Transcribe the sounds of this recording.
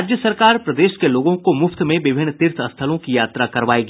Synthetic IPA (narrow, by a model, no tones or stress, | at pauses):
d͡ʒjəsɐɾkaːɾpɾɐd̪eːʃkeloːɡõkomʊft̪mẽʋɪbʱɪnːt̪ɪɾt̪ʰɐst̪ʰəlõkijaːt̪ɾakɐɾʋaːeːɡi